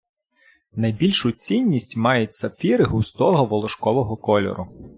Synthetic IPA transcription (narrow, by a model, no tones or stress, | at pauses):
nɐjbʲilʲʃʊt͡sʲinʲːisʲtʲmɑjʊtʲsɐfʲiɾɪɦʊst̪ɔɦɔʋɔlˠɔʃkɔʋɔɦɔkɔlʲɔ̰ɾʊ